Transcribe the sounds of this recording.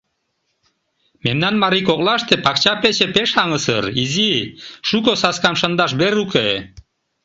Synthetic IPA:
memnænmaɾikoqlˠɑʃt̪ɨpɑk̚t͡ʃapet͡ʃepeʃɑŋɯsɯɾiziʃukosɑskɑmʃand̪ɑʃbeɾuke

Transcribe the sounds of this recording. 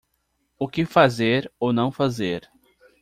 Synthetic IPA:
ʊkɪfazeɾownɐ̃w̃fazeɾ

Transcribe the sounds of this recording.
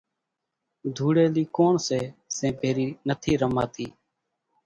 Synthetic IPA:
d̪ʱuːɽeːliːkoːɳseːsẽːbʱeːɾiːnət̪ʰiːɾəmaːt̪iː

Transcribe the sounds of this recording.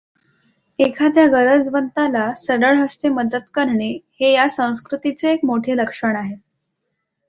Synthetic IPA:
ekʰat̪jaɡəɾəd͡zʋənt̪alasəɽəɭɦəst̪eməd̪ət̪kəɾɳehejasə̃w̃skɾut̪it͡seːkmoʈʰeləkʂəɳaɦe

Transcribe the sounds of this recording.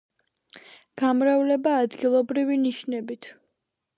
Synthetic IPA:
ɡ̥amɾavlɛbaːd̪ɡilˠɔbɾiviniʃnɛbit̪ʰ

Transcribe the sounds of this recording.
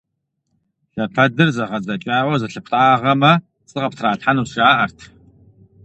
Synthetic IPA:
ɬɐpʰɐdɨrzɐʁɐzɐt͡ʃʼaːʕʷɔzɐɬɨpʰʷtʼaːʁɐmɐ | t͡sʼɨʁɐptʰraːtħanuːsʼaːʔɐrtʰ

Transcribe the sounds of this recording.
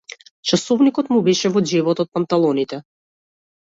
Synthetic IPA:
t͡ʃasɔvnikɔt̪mubɛʃɛvɔd͡ʒɛvɔt̪ɔt̪̚pant̪alˠɔnit̪ɛ

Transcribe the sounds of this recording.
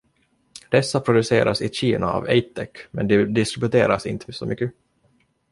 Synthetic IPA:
d̪̥ɛsːapʰɾʊd̪ɵseːɾʔasɪɕiːnaa̰vɛjt̪ʰːɛkːmɛnd̪ɛd̪ɪskɾɪbɵt̪ʰeːɾasɪnt̪ʰəsɔmʔʏkːə

